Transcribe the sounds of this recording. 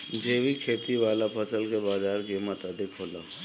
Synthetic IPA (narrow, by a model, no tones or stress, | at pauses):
d͡ʒeːʋikʰeːt̪iʋaːlapʰəsəlkebaːd͡ʒaːɾkimət̪ad̪ɪkɦoːlaː